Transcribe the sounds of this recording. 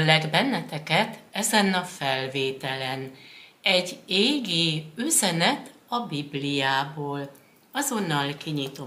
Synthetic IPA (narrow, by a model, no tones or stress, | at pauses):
lːɛɡbɛnːɛt̪ɛkɛt̪ɛzɛnɒfɛlveːt̪ɛlɛnɛɟːeːɡiːyzɛnɛt̪ɒbiblijaːboːl | ɒzo̞nːɒlkiɲit̪o